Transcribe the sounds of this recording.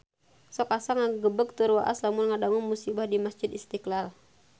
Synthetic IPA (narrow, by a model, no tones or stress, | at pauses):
sɔkasaŋaɡəbək̚t̪urwa̰ʔa̰slamʊnŋadaŋʊnmusibahdimasd͡ʒɪd̪ist̪iklal